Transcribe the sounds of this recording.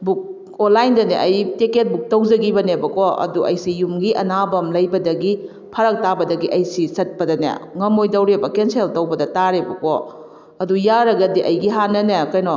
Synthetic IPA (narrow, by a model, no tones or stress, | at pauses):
buk̚ | onlːajndɐneʔɐjteket̚buk̚tɐwd͡ʒɐɡibɐnebɐkoɐ̰duʔɐ̰jsijumɡiʔɐnabɐmlɐjbɐdɐɡi | pʰɐɾɐk̚tabɐdɐɡiʔɐjsisɐt̚pɐdɐnḛŋɐmojdɐwɾebɐkenseltɐwbɐdɐtaɾebɐko̰ | ɐdujaɾɐɡɐdiʔɐjɡiɦanːɐnekɐjnɔ